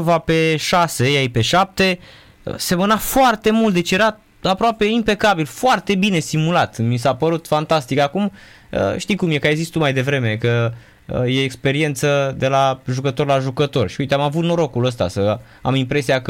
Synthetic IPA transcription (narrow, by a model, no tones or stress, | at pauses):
vape̞ʃasejajpe̞ʃap̚t̪e̞ | ə̰se̞mənafoart̪e̞mult̪̚d̪et͡ʃejeɾa | apɾoape̞impe̞kabilfoart̪e̞bine̞st̪imulat̪mis̬apəɾut̪fant̪ast̪ikakum | ə̰ʃt̪ijkumje̞kajezist̪umajd̪e̞vɾe̞me̞kə | əje̞ːkspe̞ɾie̞nt̪səd̪e̞laʒukət̪o̞rlaʒukət̪o̞rʃiujt̪eamavut̪no̞ɾo̞kuləst̪a̰sə | amimpɾe̞siakə